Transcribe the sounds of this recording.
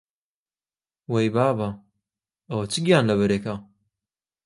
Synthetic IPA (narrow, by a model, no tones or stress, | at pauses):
wejbaːba | ɐwɐt͡ʃɨɡijaːnlɐβɐɾeːka